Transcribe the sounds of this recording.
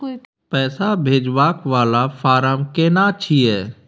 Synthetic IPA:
pɛːsabʱeːd͡ʒʋaːkʋaːlafʰaːɾəmkeːnat͡ʃʰiɛː

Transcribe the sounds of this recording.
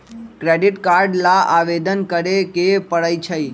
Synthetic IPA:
kɾeɖiʈkaɾɖlãʔaʋed̪ənkəɾekepəɽəjt͡ʃʰəj

